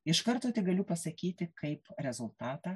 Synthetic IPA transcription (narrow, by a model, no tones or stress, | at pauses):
ɪʃkɐɾt̪oːt̪ʲɪɡɐlʲʊpɐsɐkʲiːt̪ʲɪkɐɪpɾʲɛzʊlˠt̪ɑːt̪ɑː